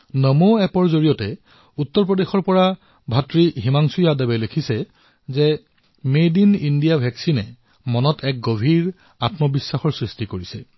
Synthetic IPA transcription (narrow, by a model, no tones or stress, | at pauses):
nɔmoɛpɔɹzoɹijɔtɛ | utːɔɹpɹɔdexɔɹpɔɹa | bʱatɹiɦimaŋsujadɛbɛlekʰisɛ | zɛ | medinindijabʱɛksinɛ | mɔnɔtʰɛk̚ɡobʱiɹ | atmɔbisːaxɔɹsɹistikoɹisɛ